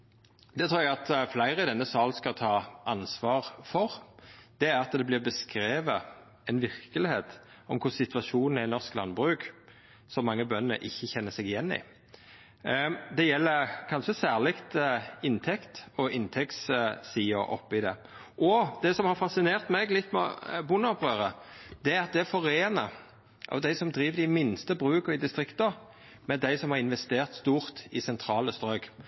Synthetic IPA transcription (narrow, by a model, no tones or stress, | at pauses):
d̪̥ɛt̪ʰɾuːɾɛɡɑt̪flæɪɾəɪd̪ɛnːəsɑːlskɑt̪ʰɑːʔɑnsʋɑːɾfɔɾd̪̥ɛæɾɑt̪d̪ɛblɪʁbəskɾeːʋə | ɛnʋɪʁkəlɪheːt̪ | ɔmkʰʊsɪt̪ʰʋɑʂuːnn̩ænɔʁsklɑnbʁʉːk | sɔmːɑŋːəbœnːə̰ʔɪçːəçɛnːəsɛɡɪjɛnːɪ̰ | d̪ɛjɛlːəkʰɑnʃəsæːʁlɪkt̪ɪnt̪ʰɛkt̪ɔʔɪnt̪ʰɛkt̪ssiːɔ̰ʔɔ̰pːɪd̪ɛ̰ | ʔɔd̪̥ɛsɔmhɑʁfɑsɪneːʁt̪mɛɡlɪt̪ːmɛ̰bʊnɔpʁøːʁəd̪̥ɛæɾɑt̪̚d̪ɛæfɔʁeːnə | ʔɑ̰ʋd̪æɪsɔmd̪ɾiːʋəd̪ɪmɪnst̪əbʁʉːkəʁɪd̪ɪst̪ʁɪkt̪əʁ | mɛd̪æɪsɔmhɑʁɪnʋɛst̪eːʁt̪st̪uːʁt̪ɪsɛnt̪ʰɾɑːləst̪ʁœʏɡ